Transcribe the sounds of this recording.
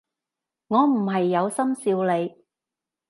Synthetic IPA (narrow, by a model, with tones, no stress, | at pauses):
ŋɔː˨˧m̩˨˩ɦɐ˨jːɐ˨˧wsɐ˥msiː˧wle˨˧j